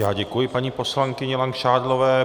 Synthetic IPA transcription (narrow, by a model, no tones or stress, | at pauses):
jaːɟɛkujɪpaɲiːpo̞slaŋkɪɲɛlaŋkʃaːdlovɛː